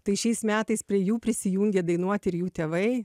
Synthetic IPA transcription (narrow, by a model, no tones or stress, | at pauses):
t̪ɐɪʃʲɛɪsmʲæːt̪ɐɪspʲɾʲiɛjuːpʲɾʲɪsʲɪjuːŋʲɡʲed̪ɐɪnuɔt̪ʲɪɾjuːt̪ʲeːʋɐɪ